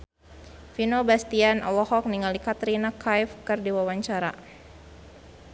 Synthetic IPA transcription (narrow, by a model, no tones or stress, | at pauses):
finobast̪ianʔɔ̰lɔhɔk̚niŋalikat̪ɾinakʰajfkɨrdiwawaɲt͡ʃaɾa̰